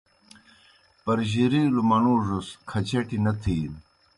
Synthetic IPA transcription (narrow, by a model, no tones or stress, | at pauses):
pɐɾʑiɾilumɐnuːʐuskʰɐt͡ɕeʈinɐt̪ʰiːn